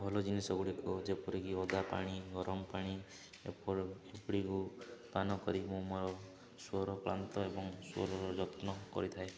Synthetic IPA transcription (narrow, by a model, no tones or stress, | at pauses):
bʱɔlɔd͡ʒinesɔɡuɽikud͡ʒepɔɾikiɔd̪apa̰ɽ̃iɡɔɾɔmɔpaɽ̃i | ḛpɔɾepɽikupanɔkɔɾimũmɔɾɔ | suɔɾɔpɾa̰nt̪ɔebɔŋsɔ̰ɾɔɾɔd͡ʒɔt̪nɔkɔ̰ɾit̪ʰae